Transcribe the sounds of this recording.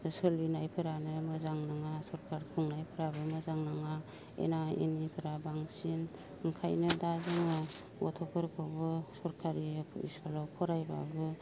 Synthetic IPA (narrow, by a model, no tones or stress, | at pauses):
sɯlinajpʰɯɾanɯmɯzaŋnaŋasɔɾkʰaɾkʰuŋnajpʰɯɾabɯmɯzaŋnaŋa | ḛnaḭnipʰɯɾabaŋsin | ɯŋkʰajnɯdazɯŋɯ | ɡɔtʰɔpʰɯɾkʰɯwbɯsɔɾkʰaɾiḭsɔlɔwpʰɔɾajba̰bɯ